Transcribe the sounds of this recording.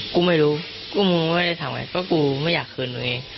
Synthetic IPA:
kuː˧ma˥˩jɾuː˦˥ | kuː˧˩mɯ˧ma˥˩jɾa˥˩t̪ʰaː˩˦ŋa̰˧jkɔː˥˩kuː˧ma˥˩jaː˨˩kʰːɯː˧ndu˧˩ŋʔeː˧ŋ

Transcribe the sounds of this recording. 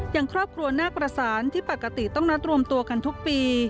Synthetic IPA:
jaː˨˩ŋkʰɾɔː˥˩p̚kʰɾu˧ɐnaː˥˩pɾa˧saː˩˦nt̪ʰiː˥˩pa˨˩kːa˧t̪i˨˩t̪ɔ˥˩ŋɾa˦˥t̪̚ɾu˧əmt̪u˧ɐka˧nt̪ʰu˦˥k̚piː˧

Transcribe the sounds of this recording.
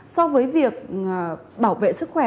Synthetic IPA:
sɔ˧vəː˨˦jvi˨˩ək̚ | ɓaː˧˩wvḛ˧˨sɨ˦˥k̚xwɛ˧˩

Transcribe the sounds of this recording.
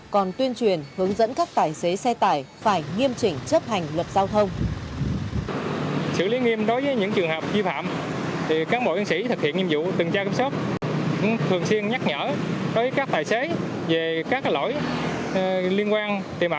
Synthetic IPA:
kɔ˨˩nt̪wi˧ənt͡ɕwi˨˩ənhɨ˨˦əŋzə̰˧˥nkaː˦˥k̚t̪aː˨˩jse˨˦sɛ˧t̪aː˧˩jfaː˧˩jŋi˧əmt͡ɕï˨˩ŋ̟t͡ɕə˦˥p̚ha˨˩jŋ̟lwə˨˩t̚zaː˧wt̪ʰə˧wŋ͡m | sɨ̰˧˨li˨˦ŋi˧əmɗo˨˦jvəː˨˦jɲɨ̰˧˥ŋt͡ɕɨ˨˩əŋɦəː˨˩p̚vi˧fa̰ː˧˨mt̪ʰi˨˩kaː˨˦nɓo̰˧˨zi˧ŋsḭ˧˥t̪ʰɨ˨˩k̚hḭ˧˨ənŋi˧əmzṵ˧˨t̪ɨ˨˩ŋt͡ɕaː˧ki˧˦mso˦˥t̚ | kʊ̰˧˥ŋ͡mt̪ʰɨ˨˩əŋswi˧ənɲa˦˥k̚ɲə̰ː˧˥ɗo˨˦jvəː˨˦jkaː˦˥k̚t̪aː˨˩jse˨˦ | ve˨˩kaː˦˥k̚ːlo̰˧˥j | li˧ənkwaː˧nt̪i˨˩mʔa˧

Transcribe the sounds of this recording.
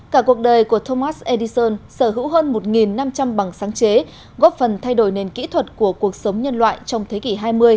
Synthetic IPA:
kaː˧˩ku˨˩ək̚ɗəː˨˩jku˧˩ət̪ʰo˧maː˦˥sʔe˧ɗi˧səː˧nsəː˧˩ɦɨ̰˧˥wɦəː˧nmo˨˩t̚ŋi˨˩nːa˧mt͡ɕa˧mɓa˨˩ŋsaː˨˦ŋt͡ɕe˨˦ | ɣɔ˦˥p̚fə˨˩nt̪ʰa˧jɗo˧˩jne˨˩nkḭ˧˥t̪ʰwə˨˩t̚ku˧˩əku˨˩ək̚sə˨˦wŋ͡mɲə˧nlwa̰ː˧˨jt͡ɕɔ˧wŋ͡mt̪ʰe˨˦ki˧˩ɦaː˧jmɨ˧əj

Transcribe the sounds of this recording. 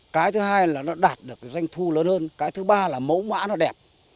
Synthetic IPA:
kaː˨˦jt̪ʰɨ˨˦ɦaː˧jlaː˨˩nɔ˨˦ɗaː˨˩t̚ɗɨ˨˩ək̚ːza˧jŋ̟t̪ʰu˧ləː˨˦nhəː˧nkaː˨˦jt̪ʰɨ˨˦ɓaː˧laː˨˩mə˧˦wŋwa̰ː˧˥nɔ˨˦ɗɛ˨˩p̚

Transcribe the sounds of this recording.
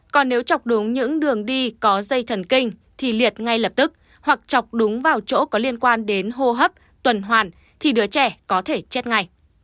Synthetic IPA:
kɔ˨˩nːe˨˦wt͡ɕa˨˩wk͡p̚ɗʊ˨˦ŋ͡mɲɨ̰˧˥ŋɗɨ˨˩əŋɗi˧kɔ˨˦zə˧jt̪ʰə˨˩nkï˧ŋ̟ | t̪ʰi˨˩li˨˩ət̚ŋa˧jləː˨˩p̚t̪ɨ˦˥k̚ | hwa˨˩k̚t͡ɕɔ˨˩wk͡p̚ɗʊ˨˦ŋ͡mvaː˨˩wt͡ɕo̰˧˥kɔ˨˦li˧ənkwaː˧nɗe˨˦nɦo˧ɦə˦˥p̚ | t̪wə˨˩nɦwaː˨˩n | t̪ʰi˨˩ɗɨ˨˦ət͡ɕɛ˧˩kɔ˨˦t̪ʰe˧˩t͡ɕe˦˥t̚ŋa˨˩j

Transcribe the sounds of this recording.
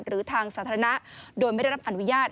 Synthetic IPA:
nɾɯː˩˦t̪ʰaː˧ŋsaː˩˦t̪ʰːa˧na˦˥doː˧jma˥˩dɾa˦˥pʔa˨nu˦˥jaː˥˩t̪̚

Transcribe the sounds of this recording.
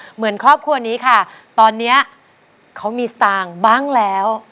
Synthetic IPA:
mɯ˩˦ənkʰɔː˥˩p̚kʰu˧ɐniː˦˥kʰa˥˩ | t̪ɔː˧nːi˦˥ɐ | kʰa˦˥wmiː˧sat̪aː˧ŋbaː˥˩ŋlɛː˦˥w

